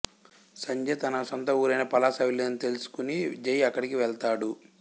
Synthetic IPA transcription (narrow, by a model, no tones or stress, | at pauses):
sɐɲd͡ʒeːt̪ɐnɐsɔnt̪ɐuːɾɐjnɐpɐlaːsɐʋileːnit̪e̞lusu̥kunid͡ʒɐjɐkːɐɽikiʋɛɭt̪aːɽu